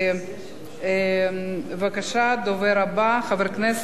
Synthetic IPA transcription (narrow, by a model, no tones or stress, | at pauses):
e | vakaʃad̪oveɾabaχaveɾknes